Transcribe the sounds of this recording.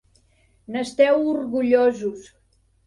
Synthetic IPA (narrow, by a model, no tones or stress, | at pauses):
nəst̪ɛwurɣuʎozus